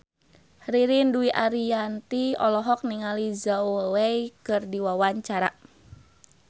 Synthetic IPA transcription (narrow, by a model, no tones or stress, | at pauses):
hriɾinduiʔaɾijant̪iɔ̰lɔɦɔk̚niŋalizaoweikɨrdiwawaɲt͡ʃaɾa